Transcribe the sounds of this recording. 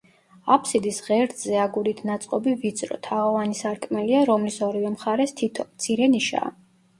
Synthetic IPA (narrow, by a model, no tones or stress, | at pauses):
apʰsid̪isʁɛɾd̪zɛaɡuɾit̪ʰnat̪sʼqʼɔbivit̪sʼɾɔ̰t̪ʰaɔvanisaɾkʼmɛliaɾɔmlisɔɾivɛmχaɾɛst̪ʰit̪ʰɔmt̪sʰiɾɛniʃa̰ː